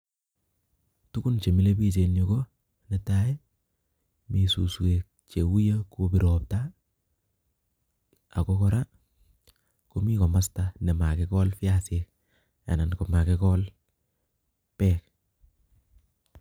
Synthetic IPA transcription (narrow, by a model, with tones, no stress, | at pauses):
tu˦ku˦nt͡ʃe˨mi˦le˦bi˦t͡ʃe˨no˨ko˦ | netae˦ | mi˨sṵ˨swe˨k̚t͡ʃe˨wu˦ja˦kopi˨ɾop̚ta | a˨kokɔ˦ɾa˦ | ko˦mi˦kɔ˨ma˦stane˨ma˨kekɔ˦lfi˦asek | a̰˨na˨nko˨ma˨kekɔl | pɛk̚